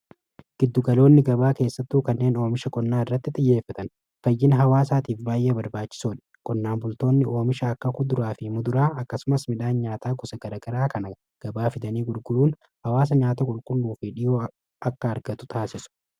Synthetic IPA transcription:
ɡ̥ɪd̪ːʊɡɐlo̞ːnːɪɡɐbaːke̞ːsːɐt̪ːuːkɐnːe̞ːno̞ːmɪʃɐkʼɔnːaːɪrːɐt̪ːɪt̪ʼɪjːe̞ːfːɐt̪ɐn | fɐjːɪnɦɐwaːsaːt̪iːfbaːjeːbɐɾbaːt͡ʃːɪ̥soːᶑɛ̥ | kʼɔnːaːnbʊlt̪o̞ːnːɪʔo̞ːmɪʃɐːkːɐkʊd̪ʊɾaːfɪmʊd̪ʊɾaːɐkːɐsʊmɐsmɪᶑaːnɲaːt̪aːɡʊsɐɡɐɾɐɡɐɾaːkɐnɐ | ɡ̥ɐbaːfɪd̪ɐniːɡʊɾɡʊɾuːn | hɐwaːs̬ɐɲaːt̪ɐkʼʊlkʼʊlːuːfɪᶑɪjo̞ː | ɐkːɐːɾɡɐt̪ʊ̥t̪ʰaːsɪsʊ̥

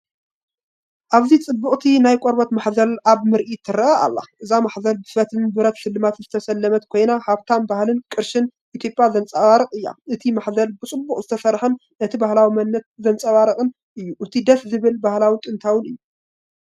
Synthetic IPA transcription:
ʔaβzit͡sʼɨbːuχʼt̪ʰinajkʼoɾbot̪maħzɐlaβmɨɾʔit̪ʰɨɾɐʔɐa̰lːa̰ʔɨzamaħzɐlbɨfɐt̪ʰɨnbɨɾɐt̪ʃɨlːɨmat̪z̥ɨt̪ʰɐsɐlːɐmɐt̪kʰo̞jnahaβt̪ʰanbahlɨnkʼɨɾʃɨnʔit̪ʰjo̞pʼjazɐnt͡sʼɐwaɾɐqʼɨjːa̰ʔɨt̪ʰimaħzɐlbɨt͡sʼɨbːuχʼzɨt̪ʰɐsɐɾħɨn | nɐt̪ʰibahlawimɐnːɐt̪̚zɐnt͡sʼɐβaɾɐχʼɨn | ʔɨjːuʔɨt̪ʰid̪ɐfzɨβɨlbahlawit̪ʼɨnt̪ʰawɨnɨjːu

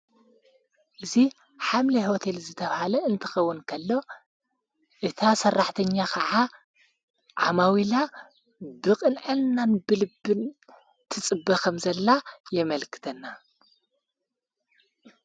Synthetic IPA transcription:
ʔɨzi | ħamlihot̪ʰe̞lzɨt̪ʰɐβhalɐɨnt̪ʰɨ̥xɐwːʊnkʰɐlːo̞ | ʔɨt̪ʰasɐrːaħt̪ʰɐɲːakʰɐʕa | ʕa̰mawila | bɨqʼɨnʕɨlnanbɨlɨbːɨn | t̪ʰɨt͡sʼɨbːɐkɐmzɐlːajɛmɐlkʰɨ̥t̪ʰɐnːa

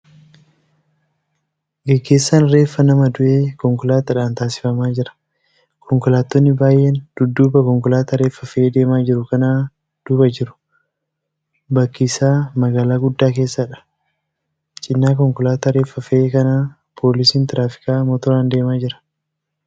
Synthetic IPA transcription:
ɡɛɡːe̞ːsːanɾe̞ːfːɐnɐmɐd̪ʊʔeːkɔŋkʊlaːt̪ɐᶑaːnt̪aːsɪ̥fɐmaːd͡ʒɪɾɐ̥ | kʰɔŋkʊlaːt̪ːɔnːɪbaːjʔeːnd̪̥ʊd̪ːuːbɐkɔŋkʊlaːt̪ɐɾe̞ːfɐfɐeːd̪e̞ːmaːd͡ʒɪɾʊkɐnaː | d̪̥ʊbɐd͡ʒɪɾʊ̥ | bɐkːiːsaːmɐɡaːlaːɡʊd̪ːaːke̞ːsːɐᶑɐ̥ | t͡ʃʼɪnːaːkɔŋkʊlaːt̪ɐɾe̞ːfːɐfɐeːkɐnaː | pʰo̞ːlɪsiːnt̪ɪɾaːfɪ̥kaːmɔt̪ɔɾaːnd̪e̞ːmaːd͡ʒɪɾɐ̥

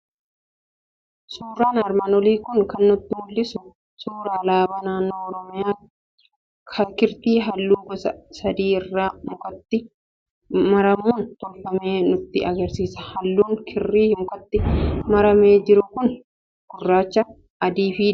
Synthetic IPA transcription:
suːraːnɐɾmɐnɔliːkʊnkɐnːʊt̪ːɪmʊlːɪsʊ | suːɾaːlaːbɐːnaːnːoːɔɾɔmɪjaː | kʰɐkɪɾt̪iːɦɐlːuːɡɔsɐsɐd̪iːɪrːaːmʊkɐt̪ːɪ | mɐɾɐmuːnt̪ɔlfɐmeːnʊt̪ːɪɐɡɐɾsiːsɐ̥hɐlːuːŋkʰɪrːiːhmʊkʼɐt̪ːɪmɐɾɐmeːd͡ʒɪɾʊkʊn | ɡ̥ʊrːaːt͡ʃːɐ | ɐd̪iːfiː

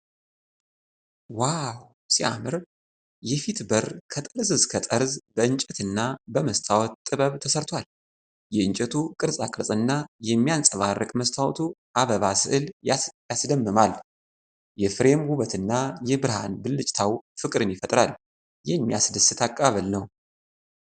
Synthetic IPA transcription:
waw | siamɨɾ | jɛfit̪bəɾkʰət̪ʼəɾzɨzkʰət̪ʼəɾzbəɨnt͡ʃʼɛt̪ɨnːabəməst̪ʰawɔt̪t̪ʼːɨβəβt̪ʰəsəɾt̪ʰwal | jɛɨnt͡ʃʼɛt̪ʰukʼɨɾsʼakʼɨɾsʼɨnːajɛmːijant͡sʼəβarːəkʼməst̪ʰawɔt̪ʰuʔaβəβasɨ̰ʔɨljasd̪əmːɨmal | jɛfɨɾe̞mhuβət̪ʰɨnːajɛbɨɾha̰nbɨlːɨt͡ʃʼt̪ʰawfɨkʼɨɾɨnjɪfət̪ʼɾal | jɛmːijasd̪ɨsɨt̪ʰakʼaβəlnəw

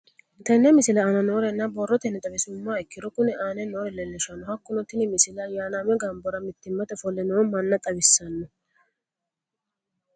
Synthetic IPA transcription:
t̪ɐnːɛmɪsɪlɐːnɐnoːɾɛnːɐbɔrːɔt̪ɛnːɛt̪ʼɐβɪsʊmːaɛkːɪɾɔkʊnɛʔaːnɛnoːɾɛlɛlːɪʃɐnːɔhɐkːʊnɔt̪ːɪnɪmɪsɪlɐjaːnaːmɛɡɐmbɔɾɐmɪt̪ːɪmːɐt̪ɛfɔlːɛnoːmɐnːɐt̪ʼɐbɪsːɐnːɔ

